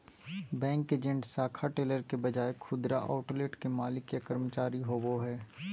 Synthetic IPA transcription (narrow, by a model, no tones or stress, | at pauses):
bɛ̃ːŋkeːd͡ʒə̃ɳʈsaːkʰaʈeːləɾkebɐd͡ʒaːekʰʊd̪ɾaʔa̰ːʊʈleʈkemaːlɪkjekəɾmət͡ʃaːɾiɦoːboɦɛː